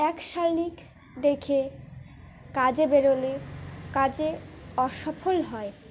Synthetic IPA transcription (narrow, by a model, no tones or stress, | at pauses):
ɛkʃaɾlik | d̪ekʰe | kad͡ʑebeɾolekad͡ʑeɔʃɔfʰolɦɔe